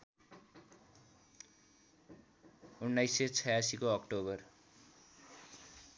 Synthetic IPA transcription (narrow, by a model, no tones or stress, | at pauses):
unːajset͡sʰʌjasikoʌkʈoβʌr